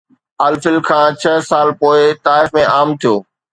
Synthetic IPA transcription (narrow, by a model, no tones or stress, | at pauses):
aːlfɪlkʰãːt͡ɕʰɐɦsaːlpoːɪt̪aːɾɪfmẽʔaːmt̪ʰijoː